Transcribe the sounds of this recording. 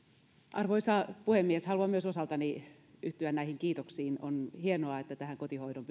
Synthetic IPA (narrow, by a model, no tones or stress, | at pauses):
ʔɑrʋoisɑpuhemːieshɑluɑmyøsosɑlt̪ɑni | yht̪yænæihiŋkiːt̪oksiːno̰nhienoɑet̪ːæt̪æhæŋkot̪ihoidomp